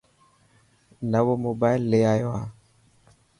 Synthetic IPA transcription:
nawomobailːeajoa

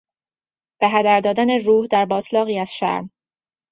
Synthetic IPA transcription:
b̥eɦæd̪æɾd̪ɒːd̪æneruːhd̪æɾbɒːt̪ʰlɒːɣiːæz̥ʃæ̰ɾm

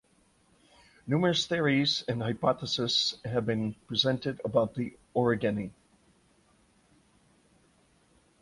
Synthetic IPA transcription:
numə˞ɨsθɪɹizɨ̃nhaɪpɑθəsɨsɦɨvbɨ̃npʰɹ̥izɛ̃ntɨɾəbaʊt̪̚ðiɔɹɨɡɨni

